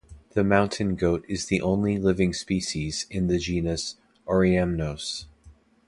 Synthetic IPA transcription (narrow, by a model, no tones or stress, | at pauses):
ðɨmãʊ̃ntʰɨ̃nɡoʊɾɨzðiʔõʊ̃nlilɪvɪ̃ŋspiʃiz̥ɪ̃nðɨd͡ʒĩnɨs | ʔɔɹiɛmnoʊs